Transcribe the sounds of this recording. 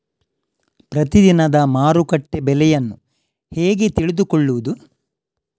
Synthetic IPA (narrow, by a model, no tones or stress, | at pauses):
pɾɐt̪id̪inɐd̪ɐmaːɾukɐʈːebɛlɛjɐnːu | heːɡe̞t̪iɭed̪ukɔɭːuʋud̪u